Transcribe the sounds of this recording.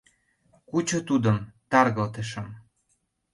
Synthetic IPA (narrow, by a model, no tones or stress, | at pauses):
kut͡ɕot̪ud̪ə̆mt̪ɑrɣɤ̆lt̪ə̆ʃə̆m